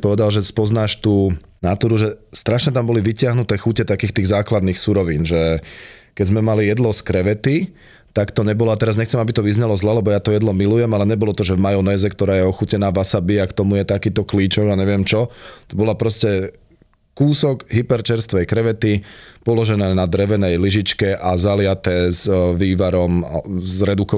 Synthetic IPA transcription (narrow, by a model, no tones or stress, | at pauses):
pɔʋɛd̪alʒɛspɔznaːʃt̪uː | nat̪uːɾuʒɛst̪ɾaʃɲɛt̪ambɔliʋicɪaɦnut̪ɛːxucɛt̪akiːxt̪iːɣzaːklad̪niːxsuɾɔʋiːnʒɛkɛzmɛmalijɛd̪lɔskɾɛʋɛt̪i | t̪akt̪ɔɲɛbɔlɔat̪ɛɾazɲɛxt͡sɛmabit̪ɔʋizɲalɔzlɛlɛbɔjat̪ɔjɛd̪lɔmilujɛmalɛɲɛbɔlɔt̪ɔʒɛvmajɔnɛːzɛkt̪ɔɾaːjɛɔxucɛnaːʋasabiakt̪ɔmujɛt̪akiːt̪ɔkliːt͡ʃɔɡaɲɛʋɪɛmt͡ʃɔt̪ɔbɔlapɾɔscɛ | kuːsɔɡɦipɛɾt͡ʃɛɾst̪ʋɛjkɾɛʋɛt̪ipɔlɔʒɛnɛːnad̪ɾɛʋɛnɛjliʒit͡ʃkɛʔazalɪat̪ɛːzʋiːʋaɾɔmzɾɛd̪ukɔ